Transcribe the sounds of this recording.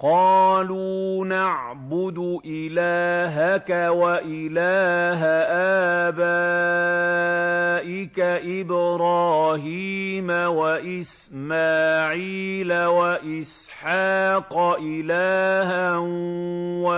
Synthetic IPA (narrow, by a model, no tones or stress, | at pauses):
qɑːluːnaʕ | bʊd̪ʔɪlaːɦakawaʔɪlaːɦaʔaːbaː | ʔɪkaʔɪbɾɑːɦiːmawaʔɪs | maːʕiːlawaʔɪs | ħɑːqɑʔɪlaːhanwa